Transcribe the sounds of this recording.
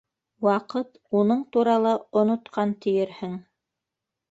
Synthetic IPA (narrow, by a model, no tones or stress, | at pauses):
wɑqɤt̪ | unɤɴt̪uɾɑlˠɑŏnŏt̪qʰɑnt̪ɘ̆jɘɾhɘŋ